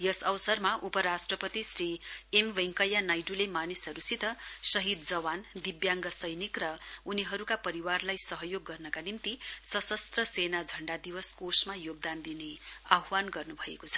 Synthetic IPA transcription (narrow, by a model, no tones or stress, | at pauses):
jʌsʌwsʌrmaʔupʌɾasʈrʌpʌt̪isriemʋeŋkʌjanajʈulemanisʌɾusit̪ʌsʌɦid̪d͡zʌwand̪ibjaŋɡʌsʌjnikrʌuniɦʌɾukapʌɾiwarlajsʌɦʌjoɡːʌrnʌkanint̪isʌsʌst̪rʌsenad͡zʱʌɳɖad̪iwʌskosmajoɡ̚d̪and̪ineaɦwanɡʌrnubʱʌḛkot͡sʰʌ̥